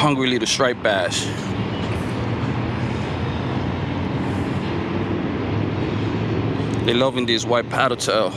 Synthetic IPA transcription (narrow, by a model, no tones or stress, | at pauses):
hʌ̃ŋɡɹiliɾəstɹ̥eɪt̚b̥æʃ | ðelʌvɪ̃ndizwaɪt̚pʰæɾətʰəl